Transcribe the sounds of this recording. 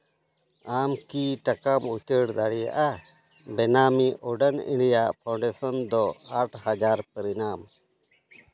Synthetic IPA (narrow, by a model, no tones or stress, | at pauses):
amkiʈakamut͡ʃəɽd̪aɽija̰ʔa | bɛnamiʔɔɖənḭ̃ɳɖijaʔpʰawɳɖɛsɔnd̪ɔaʈʰhad͡ʒaɾpəɾinam